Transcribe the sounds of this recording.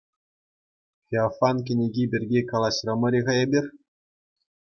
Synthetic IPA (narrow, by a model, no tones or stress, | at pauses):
fʲeafɑnk̬ʲɘ̆nʲeɡʲibʲɘ̆rʲɡʲekɑlˠɑɕrɤ̆mɤ̆ɾʲeʁɑjɑbʲirʲ